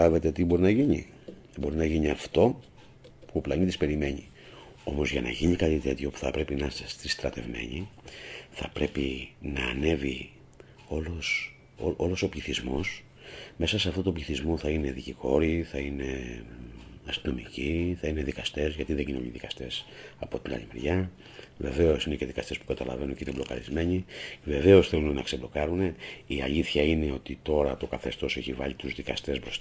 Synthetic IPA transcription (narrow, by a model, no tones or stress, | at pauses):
ɐve̞t̪e̞t̪ibo̞ɾinɐʝiɲḭ | bo̞ɾinɐʝiɲiɐft̪o̞ | puoplɐɲit̪ispe̞ɾime̞ɲḭ | o̞mo̞zʝɐnɐ̰ʝiɲikɐt̪it̪e̞t̪ço̞pu̥θɐpɾe̞pinɐsst̪ist̪ɾɐt̪e̞̰vme̞̰ɲi | θɐ̰pɾe̞pinɐːne̞vi | olos | oolo̞so̞pʎiθizmo̞s | me̞sɐseɐft̪ot̪opʎiθizmoθɐine̞ðiciko̞ɾiθɐine̞ | ɐst̪ino̞mḭciθɐine̞ðikɐst̪e̞zʝɐt̪iðeɡino̰liðikɐst̪e̞sɐpo̞t̪inɐ̰ʎimeɾʝɐ | ve̞ve̞o̞sine̞ce̞ðikɐst̪e̞spu̥kɐt̪ɐlɐ̰ve̞nuɲcineblo̞kɐ̰ɾizme̞ɲive̞ve̞o̞sθelunenɐkseblo̞kɐɾune̞iɐʎiθçɐine̞o̞t̪it̪o̞ɾɐt̪o̞kɐθe̞st̪o̞se̞çivɐʎit̪uzðikɐst̪e̞sbɾost̪